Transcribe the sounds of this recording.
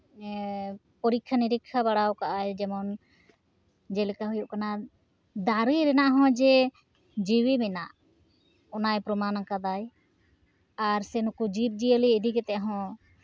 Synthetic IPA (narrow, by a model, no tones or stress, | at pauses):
pɔɾikʰːaniɾikʰːabaɽawkaʔajd͡ʒɛmɔn | d͡ʒɛlɛkaɦujuʔkana | d̪aɾijɾɛnaʔɦɔ̃d͡ʒɛ | d͡ʒiwimɛna̰ʔ | ɔnajpɾɔmanakad̪aj | aɾsɛnukud͡ʒip̪̚d͡ʒijəliːd̪ikɛt̪ɛʔaɦɔ̃